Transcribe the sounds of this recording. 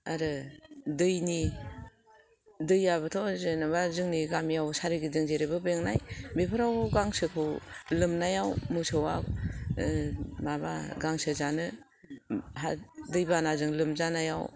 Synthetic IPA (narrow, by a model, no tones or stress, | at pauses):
aɾɯdɯjni | dɯjaβɯtʰɔzɯnabazɯŋniɡamijawsaɾiɡizɯŋzeɾebɯbɯŋnajbepʰɯɾawɡaŋsɯkʰɯwlɯmnajawmɯsɯwa | mabaɡaŋsɯzanɯ | ɦadɯjbanazɯŋlɯmzanajaw